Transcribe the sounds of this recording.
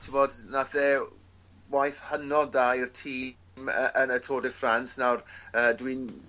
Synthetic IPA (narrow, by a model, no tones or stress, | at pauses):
tʰɪmɔdnaθɛ | wajθhənɔdairtʰiː | məʔənətʰoːdɛfransnawrəːdwin